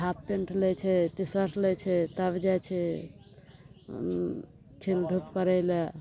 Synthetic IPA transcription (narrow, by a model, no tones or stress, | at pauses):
ap̚ʈeɳʈlɛt͡ʃʰɛʈisəɾslɛt͡ʃʰɛt̪abd͡ʒat͡ʃʰɛ | kʰild̪ʱupkəɾɛjle